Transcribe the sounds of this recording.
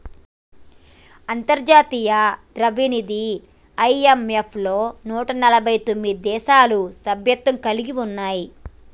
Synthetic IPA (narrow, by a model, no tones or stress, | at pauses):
ɐnt̪ɐɾd͡ʒaːt̪iːjɐd̪ɾɐʋinid̪i | ɐjemepʰlo̞ːnuːʈɐnɐlɐbʱɐjt̪o̞mːid̪id̪ɛːʃaːlusɐbʱjɐt̪ːɐŋkɐliɡiunːaːji